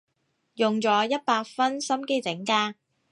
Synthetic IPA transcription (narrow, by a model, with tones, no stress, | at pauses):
jʊ˨ŋt͡sɔː˨˥jɐ˥t̚paː˧k̚fɐ˥nsɐ˥mke˥jt͡sɪ˨˥ŋkaː˧